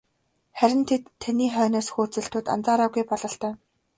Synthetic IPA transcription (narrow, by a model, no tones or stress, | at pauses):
χæɾʲɪ̆nt̪ʰet̪ʰːaniːχœːnɔːsxuːt͡sɘ̆ɬt̪ʰʊːt̪a̰nt͡saːɾaːɣujpɔɮɞ̆ɬt̪œː